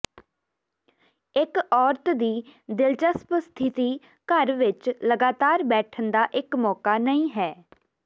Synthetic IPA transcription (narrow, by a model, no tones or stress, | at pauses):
ɪkɔːɾt̪d̪iːd̪ɪlt͡ʃəspst̪ʰɪt̪iː | kəɾʋɪt͡ʃləɡaːt̪aːɾbɛːʈʰənd̪aːʔɪkmɔːkaːnəĩːɦɛː